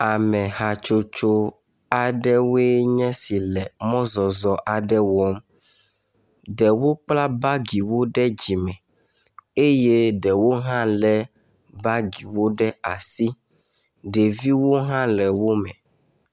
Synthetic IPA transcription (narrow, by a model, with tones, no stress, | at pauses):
a˨mɛ̃˨ɦa˨t͡ʃo˦t͡ʃo˦ | a˨ɖɛ˦we˦ɲɛ̃˦si˨lɛ˨mɔ̃˦zɔ˨zɔ˨ʔa˨ɖɛ˦wɔ˨˦m | ɖɛ˨wo˦k͡pla˦ba˦ɡi˨wo˦ɖɛ˦d͡ʑi˨mɛ̃˨ | e˦je˦ɖɛ˨wo˦ɦã˦lɛ˦ | ba˦ɡi˨wo˦ɖɛ˦a˨si˦ | ɖe˨vi˦wo˦ɦã˦lɛ˨wo˦mɛ̃˨